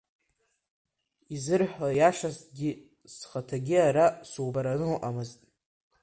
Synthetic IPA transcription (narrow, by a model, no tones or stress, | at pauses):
izɨrħʷajaʂasɡʲi | sχatʰaɡʲiaɾasuwbaɾanɨlʔamɨztʼ